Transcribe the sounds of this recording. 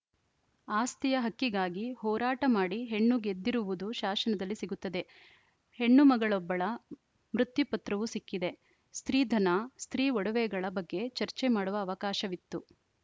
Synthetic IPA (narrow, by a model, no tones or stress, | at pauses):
aːst̪ijɐɦɐkːiɡaːɡihɔːɾaːʈɐmaːɽiɦe̞ɳːuɡe̞d̪ːiɾuʋud̪uʃaːsɐnɐd̪ɐlːisiɡut̪ːɐd̪e̞ | he̞ɳːumɐɡɐɭɔbːɐɭɐ | mɾut̪jupɐt̪ɾɐʋusikːid̪e̞ | st̪ɾiːd̪ʱɐnɐst̪ɾiːɔɽɐʋɛːɡɐɭɐbɐɡːe̞t͡ʃɐɾt͡ʃemaːɽuʋɐːʋɐkaːʃɐʋit̪ːu